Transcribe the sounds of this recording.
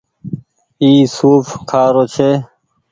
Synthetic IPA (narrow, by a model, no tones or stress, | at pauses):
iːsuːfkʰaːɾoːt͡ʃʰeː